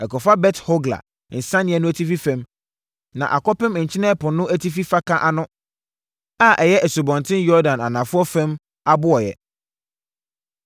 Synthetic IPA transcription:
ɛ˨kɔ˨fa˦bɛ˦tho˦ɡla̰˨ | n̩˨sã˦nɪ̃˨˦ɛ˨˦nʊ̃˦æ˦tʰi˦fi˦fɛ̃˦m | nã̰˨ʔa˨kɔ˦pɪ̃˦m˨ɲ̩˨t͡ɕʰɪ˦nɛ̃˦pʊ̃˨nʊ̃˦ʔæ˦tʰi˦fi˦fa˦kʰã˦ʔa˨nʊ̃˦ | a˦˨ʔɛ˨jɛ˦ʔɛ˨su˨bɔ̃˨ntʰɪ̃˦njɔ˦dã˨na˨nã˨fʊ˦ɔ˦fɛ̃˦m | a˦bʊ˦ɔ˨jɛ̰˨

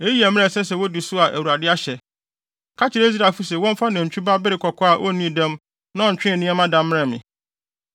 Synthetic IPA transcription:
e˦ji˦ɛ˨mɪ̃˦ɛ̃˨sɛ˦sɛ˨wo˦di˨sʊ˦a˨ʔæ˨wu˨ɾa˨dɪ˦a˦ɕɛ˨ | kʰa˦t͡ɕʰɪ˨ɾe˦i˦z̬ɾa˨fu˦s̬ɛ˨wɔ̃˦m̩˦fa˦nã˨ɲ̩˨t͡ɕᶣʰu˦ba˦bɪ˦ɾɪ˨kʰɔ˨kʰɔ˦a˨ʔo̰˦nĩ˦˨dɛ̃˦m | nã˦ɔ̃˨ɲ̩˨t͡ɕᶣɪ̃˦˨nĩ˦ɛ˦mã˦dã˨m˦mɪ̃˦ɛ˨mɪ̃˨

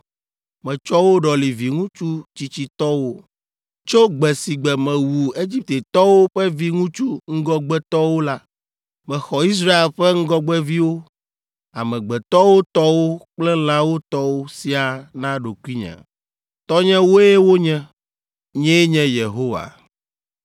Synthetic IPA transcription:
mɛ̃˨t͡ʃɔ˦wo˦ɖɔ˨li˨vi˨ŋũ˦t͡ʃu˦t͡ɕi˦t͡ɕi˦t̪ɔ˦wo˦ | t͡ʃo˦ɡ͡bɛ˨si˨ɡ͡bɛ˨mɛ̃˨wu˨e˦d͡ʑi˦p̚t̪e˨t̪ɔ˦wo˦ɸɛ˦vi˦ŋũ˦t͡ʃu˦ŋ̩˦ɡɔ˦ɡ͡bɛ˦t̪ɔ˦wo˦la˦ | mɛ̃˨xɔ˨i˦s̬ɾa˦e˨lɸɛ˦ŋ̩˦ɡɔ˦ɡ͡bɛ˦vi˦wo˦ | a̰˨mɛ̃˨ɡ͡bɛ˨t̪ɔ˦wo˦t̪ɔ˦wo˦k͡plɛ˦l̃ã˦wo˦t̪ɔ˦wo˦si˨a˨nã˦ɖo˨ku˦i˦ɲɛ̰̃˨ | t̪ɔ˦ɲɛ̃˦wo˦e˦wo˦ɲɛ̃˦ | ɲɛ̃˦ɲɛ̃˦je˨ɦo˦wa̰˨

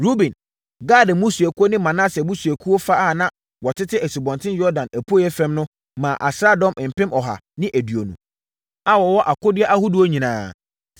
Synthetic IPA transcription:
ɾu˦bĩ˨n | ɡaː˦˨dɪ̃˨mũ˦su˨æ˨ku˦o˦nɪ̃˦mã˨nã˦sɛ˨mũ˦su˨æ˨kʰu˦o˦fa˦a˦˨nã˦ | wɔ˨tʰɪ˦tʰɪ˦æ˨si˨bɔ̃˨ntʰɪ̃˦njɔ˦dã˨næ˨pʰu˦o˦jɛ˦fɛ̃˦mnʊ̃˦ | mã˨ʔa̰˨sɾa˦dɔ̃˦mɪ̃˨m̩˨pɪ̃˦mɔ˨ɦa̰˨ | nɪ̃˦ʔæ˨dɥo˨nṵ̃˨ | a˦wɔ˨wɔ˦ʔa˨kʊ˦dɪ˦ɛ˦ʔa˦hu˦du˨o˦ɲĩ˨nãː˨˦

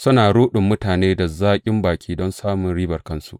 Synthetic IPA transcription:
sʊ˦naː˨ɽuː˦ɗʊ˨mːʊ˦taː˨neː˦da˨zaː˦kʲʼɪ˦mbaː˨kʲiː˦dɔ˦nsaː˦mʊ˨nɽiː˦bɐ˨rkɐ˦nsu˦ʔ

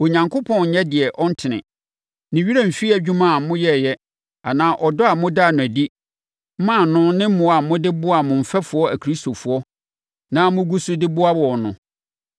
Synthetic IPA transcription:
o˨ɲã˨ŋkʰʊ˦pʰɔ̃˦˨ɲɛ˦dɪ˨ɛ˨ʔɔ˦n̩˦tʰɪ˨nɪ̰̃˨ | nɪ̃˨ɥi˦ɾæ˦m̩˨fi˦æ˨d͡ʑᶣu˦mã˨˦mʊ̃˦jɛ˦˨jɛ˦ | a˨nãː˦ʔɔ˨dɔ˦a˨mʊ̃˦da˦˨nʊ̃˨æ˨di˦ | mã˦˨nʊ̃˦nɪ̃˦m̩˦mʊ̃˨a˨mʊ̃˦dɪ˦bʊ˦a˨mʊ̃˨m̩˨fɛ˦fʊ˨˦ɔ˦æ˨kʰɾi˦sto˨fʊ˨ɔ˦ | nã˦mʊ̃˦ɡu˦sʊ˦dɪ˦bʊ˦a˦wɔ˨nʊ̃˨

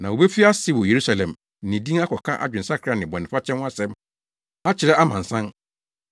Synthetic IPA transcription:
nã˨o˨be˦fi˦a˦sɪ˦wʊ˨je˨ɾu˦sa˨lɛ̃˨m̩˨ | nɪ̃˨dĩ˦a˦kʰɔ˨kʰã˦ʔa̰˦d͡ʑᶣɪ̃˨n̩˨sa˦kʰɾa˨˦nɪ̃˨bɔ̃˨nɪ̃˨fa˦t͡ɕʰɛ̃˦nwa˦sɛ̃˦m | a˦t͡ɕʰɪ˨ɾɛ˦a˦mã˨n̩˨sã˦n

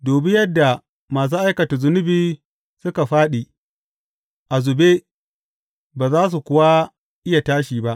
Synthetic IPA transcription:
doː˨bɪ˦jɐ˦dːa˨ | maː˨s̬u˦ʔa˦jkɐ˨ta˨zʊ˦nʊ˦biː˦ | sʊ˦ka˨ɸaː˦ɗi˨ | ʔa˨zʊ˨be˦ | baː˨zaː˦s̬u˨kʷʊ˦wa˦ | ʔɪ˦ja˨taː˦ʃiː˨ba˦ʔ

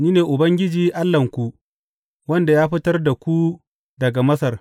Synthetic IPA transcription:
niː˦neː˨ʔʊ˨bɐ˦ŋɡʲɪ˦d͡ʒiː˦ʔa˦lːɐ˨ŋkʷu˨ | wɐ˦nda˨jaː˦ɸɪ˦tɐ˦rda˨kʷu˦ | dɐ˨ɡa˨mɐ˦sɐ˨r

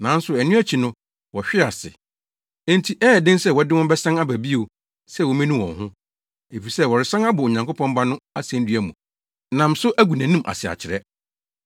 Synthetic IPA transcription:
nã˨˦n̩˦sʊ˨ɛ˨nʊ̃˦æ˦t͡ɕʰi˨nʊ̃˦ | wɔ˨ɕᶣɪ˦a˨sɪ̰̃˨˦ | n̩˦tʰi˨ʔɛː˦˨dɪ̃˦nsɛ˦˨wɔ˨˦dɪ˦wɔ̃˦m˦bɛ˦sã˦na˦bæ˨bi˦o˨ | sɛ˦˨wɔ˨mĩ˦nũ˦wɔ̰̃˨nɦʊ̃˦ | e˨fi˨sɛ˦wɔ˨ɾɪ˨sã˦ŋa˦bʊ˨o˨ɲã˨ŋkʰʊ˦pʰɔ̃˦mba˦nʊ̃˦a˦sɛ̃˨˦n˦dɥæ˨mṵ̃˨ | nã˨m˨sʊ˦ʔæ˦ɡu˨næ̃˨nĩ˦mʔa̰˨sɪ˨a̰˨t͡ɕʰɪ˨ɾɛ˦

